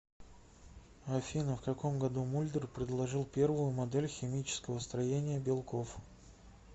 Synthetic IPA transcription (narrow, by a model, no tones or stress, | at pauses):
ɐfʲinəfkɐko̞mɡɐd̪umulʲd̪ərpɾʲɪd̪lˠɐʐɨlˠpʲe̞rvʊjʊmɐd̪ɛlʲxʲɪmʲit͡ɕɪ̥skəvəst̪ɾɐjenʲɪjəbʲɪlˠkof